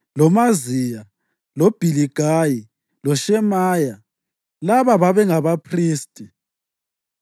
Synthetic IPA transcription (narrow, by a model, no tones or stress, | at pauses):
lɔmazija | lɔb̥ʱiliɡ̥ʱaji | lɔʃɛmaːja | laβaβaβɛŋaβapʰriːstʼi